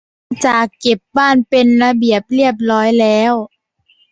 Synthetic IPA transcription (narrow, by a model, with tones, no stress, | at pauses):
a˧t͡ɕaː˨˩kːe˨˩p̚baː˥˩npe˧nɾa˧bi˨˩əp̚li˥˩əp̬̚lɔː˦˥jlɛː˦˥w